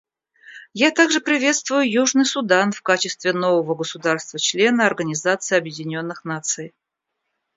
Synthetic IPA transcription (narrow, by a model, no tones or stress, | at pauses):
jat̪aɡʐɨpɾʲɪvʲe̞t̪st̪vʊjʊjuʐnɨjsʊd̪anfkat͡ɕɪst̪vʲɪno̞vəvəɡəsʊd̪arst̪vət͡ɕlʲe̞nəɐrɡənʲɪzat̪sɨɪɐbjɪdʲɪnʲo̞nːɨxnat̪sɨj